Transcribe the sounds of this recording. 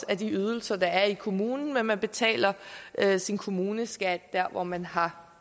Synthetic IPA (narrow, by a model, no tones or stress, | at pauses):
æd̥iyð̞ˠl̩sɐd̥ɑ̈æɐikʰo̝muːnn̩menmænb̥e̝t͡sʰɛ̰ːlɐʔøsinkʰo̝muːnəsɡ̥æd̥d̥æɐ̰ʋɒmænɦɑ̈